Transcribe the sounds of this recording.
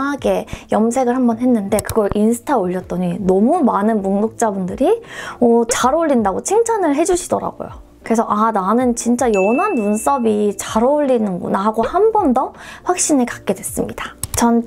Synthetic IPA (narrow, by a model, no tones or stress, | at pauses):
aɡe̞jʌms̬ʰe̞ɡɯɭhambʌnɦe̞nːɯnde̞kɯɡʌɾʔinsʰɯ̥tʰaoʎːʌt̚t͈ʌɲinʌmumanɯnmuŋdok̚t͡ɕ͈abundɯɾiʌt͡ɕaɾouʎːindaɡot͡ɕʰiŋt͡ɕʰanɯɭɦe̞d͡ʑuɕʰidʌ̰ɾa̰ɡo̰jo̰ | kɯɾe̞sʰʌʔananɯnt͡ɕint͡ɕ͈ajʌnɦanːuns͈ʌbit͡ɕaɾouʎːinɯnɡo̰naɡohambʌndʌɸwak̚ɕ͈ineɭkḁk̚k͈e̞dwe̞s͈ɯmɲid̥at͡ɕʌn